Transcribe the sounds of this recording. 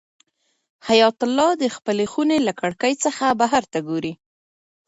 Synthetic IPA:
hajɑt̪ʊlːɑd̪əxpəlexunelakaɽkəjt͡səxabaɦaɾt̪aɡoɾi

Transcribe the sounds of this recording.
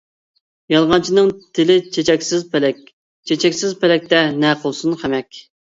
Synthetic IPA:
jɑlˠʁɑnt͡ʃʰinɨŋt̪ʰɪlɪt͡ʃʰet͡ʃʰɛkʲsɪzplɛk̚ʲ | t͡ʃʰet͡ʃʰɛkʲsɪzpɛlɛk̚ʲt̪ɛnɛqʰəlˠsunχʰæmɛkʲ

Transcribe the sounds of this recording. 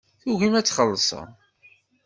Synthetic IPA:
θuʝimæt͡sːχəlːəsˤə̰

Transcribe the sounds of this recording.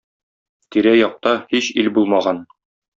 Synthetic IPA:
t̪iɾæjɒq̚t̪ɑhiɕilbulˠmɑʁɑn

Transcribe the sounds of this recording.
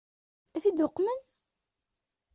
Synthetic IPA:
æθid̪ʊqːmən

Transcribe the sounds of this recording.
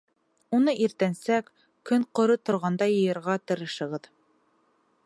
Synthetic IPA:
unɤʔiɾt̪ænsæk | kɵɴqŏɾɤt̪ŏɾʁɑnd̪ɑjɤ̆jɤ̆ɾʁɑt̪ɤ̆ɾɤ̆ʃɤ̆ʁɤð

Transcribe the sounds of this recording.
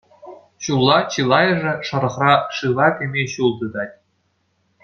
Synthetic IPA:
ɕulˠːɑt͡ɕɯlˠɑjɤ̆ʐɘ̆ʂɤ̆ɾɤ̆χrɑʂɯlˠɑkʲɘ̆mʲeɕulˠd̪ɤ̆d̪ɑtʲ

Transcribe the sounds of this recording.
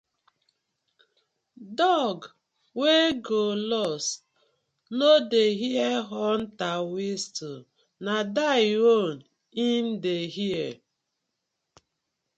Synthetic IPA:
dɔɡ | weɡolɔs | nodeɦieɦɔn̩tawestu | nadaon̩ | in̩deɦie

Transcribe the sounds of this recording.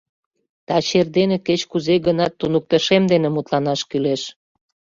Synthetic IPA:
t̪ɑt͡ɕerd̪eneket͡ɕkuzeɡənɑt̪ːunuk̚t̪əʃemd̪enemut̪lɑnɑʃkyleʃ

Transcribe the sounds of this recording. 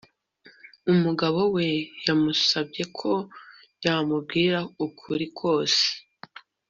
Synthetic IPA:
umuɡaβo̞we̞jamusabɟe̞kʰo̞ | jamub̚ɡiːɾaukʰuɾikʰo̞ːse̥

